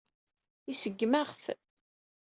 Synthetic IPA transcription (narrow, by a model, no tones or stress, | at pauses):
isəɡːmæʁθ